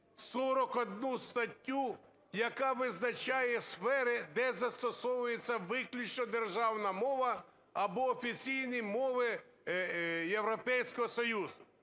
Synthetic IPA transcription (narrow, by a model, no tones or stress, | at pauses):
sɔɾɔkɔd̪nust̪ɐtʲːu | jɐkɑʋɪznɐt͡ʃajɛsfɛɾɪd̪ɛzɐst̪ɔsɔwʊjet͡sʲːɐʋɪklʲut͡ʃnɔd̪erʒɑwnɐmɔʋɐ | ɐbɔːfʲit͡sʲijnimɔʋɪ | jewɾɔpɛjsʲkɔɦɔsɔjuzʊ